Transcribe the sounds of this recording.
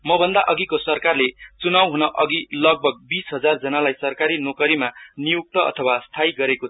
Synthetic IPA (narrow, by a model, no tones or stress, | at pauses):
mʌbʱʌnd̪aʔʌɡikosʌrkarlet͡sunawɦunʌʔʌɡilʌɡ̚bʱʌɡ̚bisɦʌd͡zard͡zʌnalajsʌrkaɾinokʌɾimanijuk̚t̪ʌʔʌ̰t̪ʰʌwast̪ʰajɡʌɾeko